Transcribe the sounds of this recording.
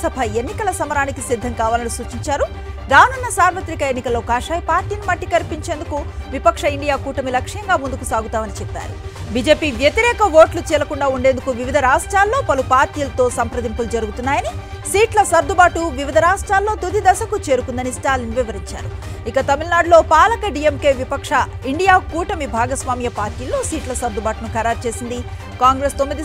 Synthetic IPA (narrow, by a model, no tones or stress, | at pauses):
sɐbʱɐe̞nːikɐlɐsɐmɐɾaːnikisid̪ʱːɐŋkaːʋaːlɐnisuːt͡ʃiɲt͡ʃaːɾu | d̪aːwnunːɐsaːɾʋɐt̪ɾikɐenːikɐlːokaːʂaːjɐpaːɾʈiːnimɐʈːikɐɾpiɲt͡ʃe̞ːnd̪ukuʋipɐkʂɐiɳɖijaːkuːʈɐmilɐkʂɐjɐŋɡaːmund̪ukusaːɡut̪aːmɐnit͡ʃɛpːa̰ːɾṵbiːd͡ʒe̞ːpiːʋjɐt̪iɾɛːkɐʋo̞ːʈlut͡ʃɛːlɐkuɳɖaːuɳɖe̞ːnd̪ukuʋiʋid̪ʱɐɾaːʂʈɾaːlːo̞ːpɐlupaːɾt̪ijɐlɐt̪o̞ːsɐmpɾɐd̪impulud͡ʒɐɾuɡut̪unːaːjɐnisiːʈlɐsɐɾd̪ubaːʈuʋiʋid̪ʱɐɾaːʂʈɾaːlːo̞ːt̪ud̪id̪ɐsɐkut͡ʃe̞ːɾukund̪ɐnisʈaːliŋʋiʋɐɾiɲt͡ʃa̰ːɾu | ikɐt̪ɐmilnaːɖlo̞ːpaːlɐkɐɖijemkeːʋipɐkʂɐ | iɳɖijaːkuːʈɐmibʱaːɡɐsʋaːmjɐpaːɾʈiːlːo̞ːsiːʈlɐsɐɾd̪ubaːʈunukɐɾaːɾt͡ʃe̞ːsind̪i | kaːŋɡɾest̪omːid̪i